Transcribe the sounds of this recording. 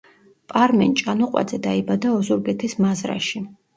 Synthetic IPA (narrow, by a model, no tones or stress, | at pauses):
pʼaɾmɛnt͡ʃʼanɔqʼwa̰d̪zɛd̪aibad̪aɔzuɾɡɛt̪ʰismazɾa̰ʃi